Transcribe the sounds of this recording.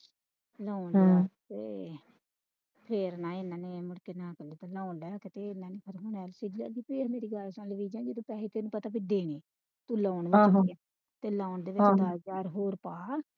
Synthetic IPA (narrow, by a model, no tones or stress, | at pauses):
laːɳːt̪eː | pʰeːɾnãːɪnãːneːmʊɽkeːnãːkəliːt̪elaːlɛːkɪt̪eːɪnãːneːkʰəɾɦʊɳɛːlsɪd͡ʒla̰ːɡiːpːmeːɾiːɡəɾsãːləʋiːd͡ʒãːd͡ʒiːt̪ũːpɛːleːt̪eːnũːpət̪aːbiːd̪eːneː | t̪uːlaːɳʋaː | t̪eːlaːʊɳd̪eːʋɪt͡ʃːd̪əd͡ʒaːɾɦoːɾpaː